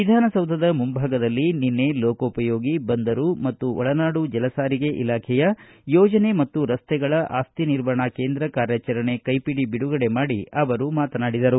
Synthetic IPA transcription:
ʋid̪ʱaːnɐsɐwd̪ʱɐd̪ɐmumbʱaːɡɐd̪ɐlːininːe̞loːkɐupɐjo̞ːɡibɐnd̪ɐɾumɐt̪ːuɔɭɐnaːɽud͡ʒɛlɐsaːɾiɡe̞ʔilaːkʰɛjɐ | jɔːd͡ʒɐne̞mɐt̪ːuɾɐst̪ɛɡɐɭɐʔaːst̪iniɾʋaɳake̞ːnd̪ɾɐkaːɾjaːt͡ʃɐɾɐɳe̞kɐjpiɽibiɽuɡɐɽe̞maːɽiɐʋɐɾumaːt̪ɐnaːɽid̪ɐɾu

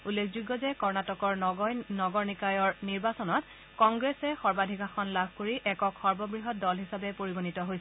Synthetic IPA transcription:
ulːekʰzuɡːɔzɛkɔɹnatɔkɔɹnɔɡɔɹnikajɔɹniɹbasɔnɔt | kɔŋɡɹesɛxɔɹbadʱikaxʰɔnlabʱkoɹiʔɛkɔkxɔɹbɔbɹiɦɔt̚dɔlɦisabɛpoɹiɡonitɔɦojs

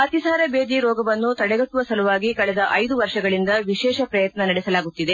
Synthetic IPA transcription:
ɐt̪isaːɾɐbeːd̪iɾɔːɡɐʋɐnːut̪ɐɽɛɡɐʈːuʋɐsɐluʋaːɡikɐɭɛd̪ɐʔɐjd̪uʋɐɾʂɐɡɐɭind̪ɐʋiʃɛːʃɐpɾɐjɐt̪nɐnɐɽɛsɐlaːɡut̪ːid̪e

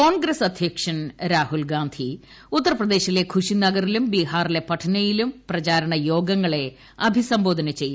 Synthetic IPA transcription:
koːnɡɾɐsɐd̪ʱjekʂɐnɾaːhulɡaːnd̪ʱi | ut̪ːɐrɐprɐd̪e̞ːɕile̞kʰuʂinɐɡɐrilumbiɦaːrile̞pɐʈʰɐnɐjilumprɐt͡ɕaːɾɐɳɐjo̞ːɡɐŋːɐɭe̞ | ɐbʱisɐmbo̞ːd̪ʱɐnɐt͡ɕe̞ju

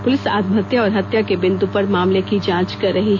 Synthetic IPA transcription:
pʊlɪsa̰ːt̪mʱət̪jaɔːɾɦɐt̪jakebɪ̃nd̪upɐɾmaːmlekid͡ʒãːt͡ʃkɐɾːɐɦiɦ

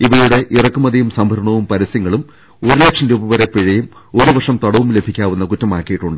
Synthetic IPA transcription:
iʋɐjuɽe̞ʔirɐkːumɐðijumsɐmbʱɐɾɐɳɐʋumpɐɾɐsjɐŋːɐɭum | o̞ɾulekʂɐnduːbɐʋɐɾepiɻɐjumo̞ɾuʋɐrʂɐmt̪ɐɽɐʋumle̞bʱikʲːaːʋunːɐkutːɐmaːkːijiʈːuɳɖɨ

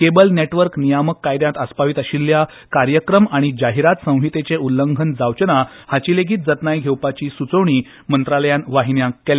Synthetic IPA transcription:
kebəlneʈʋəɾknijaməkːajd̪jãt̪əspaʋiːt̪əɕilːja | kaɾjəkɾəmaɽ̃id͡ʑaɦiɾat̪sə̃w̃ɦit̪et͡ɕeʔulːəŋɡʱənd͡zawt͡ɕəna | hat͡ɕiːleɡʱiːt̪̚d͡zət̪najɡʱewpat͡ɕiːsut͡səwɳiː | mənt̪ɾaləjanʋaɦinjãkːel

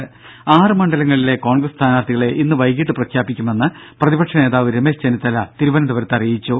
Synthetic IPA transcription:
aːrɨmɐɳɖɐlɐŋːɐɭile̞ko̞ːɳɡrɐst̪ʰaːnaːrt̪ʰiɣɐɭe̞ʔinːɨʋɐjkːiʈːɨprɐkʰjaːbikʲːume̞nːɨprɐðibɐʈkʂɐne̞ːðaːʋɨɾemest͡ɕenit̪ːɐlɐt̪iɾubɐnɐd̪uʋɐɾt̪ːɐrijit͡ɕːu

